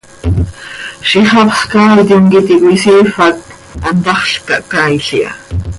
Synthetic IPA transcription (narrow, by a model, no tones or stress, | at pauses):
ʃiχɑpχkaːwt̪ioŋɡit̪ikwisiːfak̚ | ant̪ɑχɬkaʔkajɬia̰